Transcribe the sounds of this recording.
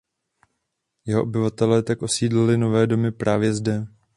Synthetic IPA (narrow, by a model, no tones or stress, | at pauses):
jɛɦo̞ʔobɪvat̪ɛlɛːt̪akʔo̞siːdlɪlɪno̞vɛːdo̞mɪpɾʔaːvjɛzdɛ